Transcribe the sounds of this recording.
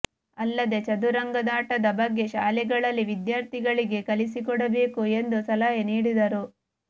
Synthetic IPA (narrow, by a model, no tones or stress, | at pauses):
ɐlːɐd̪e̞t͡ʃɐd̪uɾɐŋɡɐd̪aːʈɐd̪ɐbɐɡːe̞ʃaːlɛɡɐɭɐlːiʋid̪jaːɾt̪ʰiɡɐɭiɡe̞kɐlisikɔɽɐbe̞ːkue̞nd̪usɐlɐɦeniːɽid̪ɐɾu